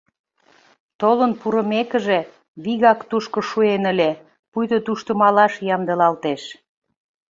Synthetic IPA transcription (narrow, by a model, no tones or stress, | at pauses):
t̪olənpuɾə̆mekə̆ʒe | βiɣɑkt̪uʃkŏʃuenə̆lʲe | pujd̪ot̪uʃt̪əmɑlɑʃjɑmd̪ə̆lɑlt̪eʃ